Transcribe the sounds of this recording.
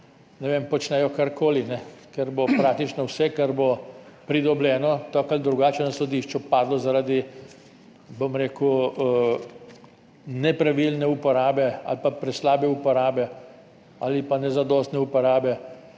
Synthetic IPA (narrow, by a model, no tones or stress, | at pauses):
nɛʋempɔt͡ʃnɛjɔkaɾkoːlinɛkɛɾbopɾaːk̚t̪it͡ʃnɔwsɛkaɾbopɾid̪ɔblɛːnɔt̪ɔkald̪ɾuɡaːt͡ʃɛnasɔd̪iʃt͡ʃɔpaːd̪lɔzaɾaːd̪i | bomɾeːku | nɛpɾaʋilnɛupɔɾaːbɛa̰lpapɾɛslaːbɛupɔɾaːbɛ | alipanɛzad̪ɔːst̪nɛupɔɾaːbɛ